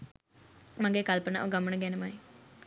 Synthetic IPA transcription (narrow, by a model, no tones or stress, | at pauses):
mɐŋɡeːkɐlpəna̰ːʔoɡɐməɳəɡɛnɐmaːi